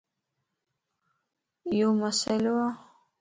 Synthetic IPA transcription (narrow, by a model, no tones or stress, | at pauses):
jomasalowa